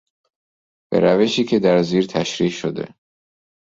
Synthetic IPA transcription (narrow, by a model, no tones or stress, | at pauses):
b̥e̞̰ɾæveʃiːcʲʰe̞d̪æɾziːɾt̪ʰæʃɾiːʃod̪e̞̰